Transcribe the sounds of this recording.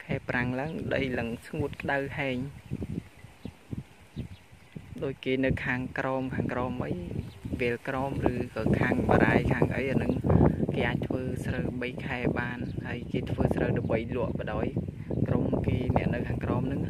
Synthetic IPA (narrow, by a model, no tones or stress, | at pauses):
kʰaɛpraŋlaəŋɗəjlɨŋsŋuət̪̚kəɗawhaɛɲ | ɗoːc̚keːnɨwkʰaːŋkrɑːmkʰaːŋkrɑːmʔəjʋɛːlkrɑːmrɨːkɑːkʰaːŋɓa̰ːɾaːjkʰaːŋʔə̰jhanɨŋkeːʔaːc̚t̪ʰʋəːsrəwɓəjkʰaɛɓaːnhaəjkeːt̪ʰʋəːsrəwɗaɓəjlʊ̆əʔpə̆ɗaːj | kromkeːnɛ̆əʔnɨwkʰaːŋkrɑːmnɨŋ